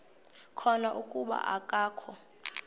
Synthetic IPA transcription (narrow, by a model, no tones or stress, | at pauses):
kʰɔnaʔukʼuɓa̰ʔakʼaːkʰɔ